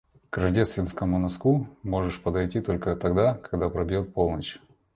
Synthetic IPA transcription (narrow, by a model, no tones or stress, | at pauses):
kɾɐʐdʲest̪vʲɪnskəmʊnɐskumo̞ʐɨʂpəd̪ɐjtʲit̪o̞lʲkət̪ɐɡd̪akɐɡd̪apɾɐbʲjo̞t̪̚po̞lˠnət͡ɕ